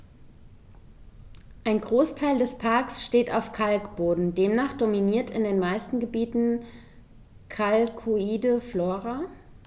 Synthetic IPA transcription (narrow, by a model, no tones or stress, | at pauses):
ʔaɪnɡʁoːstʰaɪldɛspʰaɐksʃteːta̰ʊfkʰalkb̥oːdn̩deːmnaːχd̥ominiːɐtɪndeːnmaɪstn̩ɡəbiːtn̩ | kʰalkʰuiːdəfloːʁa